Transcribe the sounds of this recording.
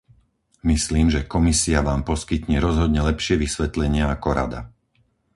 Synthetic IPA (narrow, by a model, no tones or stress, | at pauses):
misliːmʒɛkɔmisiaʋaːmpɔskit̪ɲɛɾɔzɦɔd̪ɲɛlɛpʃɪɛʋisʋɛt̪lɛɲɪaakɔɾa̰d̪a̰